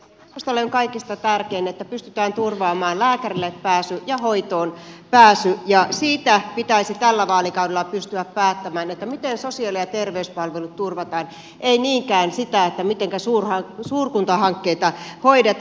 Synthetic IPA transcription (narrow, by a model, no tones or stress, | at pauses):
ust̪ɑlːeoŋkɑikist̪ɑt̪ærkeinet̪ːæpyst̪yt̪æːnt̪urʋɑːmɑːllæːkærilːeppæːsyjɑɦoit̪oːnpæːsyʔjɑsiːt̪æpit̪æisit̪ælːæʋɑːlikɑwdelːɑpyst̪yæppæːt̪ːæmæːnet̪ːæmit̪ensosiɑlijɑt̪erʋeyspɑlʋelut̪turʋɑt̪ɑːn | ʔeiniːŋkæːnsit̪æet̪ːæmit̪eŋkæsuːrhɑsuːrkunt̪ɑhɑŋkːeit̪ɑhoidet̪